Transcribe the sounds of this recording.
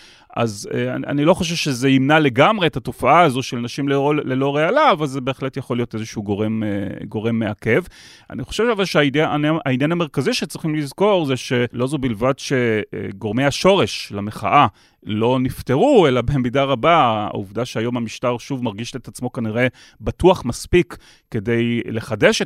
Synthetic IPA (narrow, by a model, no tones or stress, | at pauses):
ʔa̰zea̰a̰nilo̞χo̞ʃ̬evʃezeimnale̞ɡamʁeethato̞faʔaːzo̞tʃelnaʃimlelelo̞ʁealaːvalzebe̞ːχle̞tjaχo̞lijo̞tezeʃuːɡoʁemɡo̞ʁe̞mːeake̞v | a̰niχoʃevavalʃeaidnaainjaname̞ʁkaziʃet͡sʁiχimlizko̞ʁzeʃe̞lo̞zubilvadʃe̞̰ɡo̞ʁmejaʃo̞ʁe̞ʃlameχa̰ʔa | lo̞nifte̞ʁuelabemidaʁabaa̰ṵvdaʃeajo̞mamiʃtaʁʃuvmaʁɡiʃet̪at͡smo̞kaniʁe̞ | batuaχmaspikː | e̞de̞jle̞χade̞ʃ